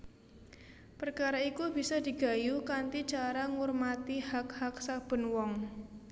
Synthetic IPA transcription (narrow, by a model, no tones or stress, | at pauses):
pərkaɾaikubi̤sad̪̥i̤ɡ̥a̤jukant̪it͡ʃaɾaŋurmat̪ihakhak̚sab̥ə̤nwɔŋ